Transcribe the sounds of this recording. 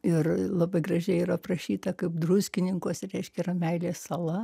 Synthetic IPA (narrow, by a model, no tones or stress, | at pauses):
ɪrlˠɐbɐɪɡrɐʒʲɛɪiːɾɐprɐʃʲiːt̪ɐkɐɪpd̪rʊsʲkʲɪnʲɪŋkoːsɾʲɛɪʃʲkʲɛiːrɐmʲɛɪlʲeːsɐlˠɐ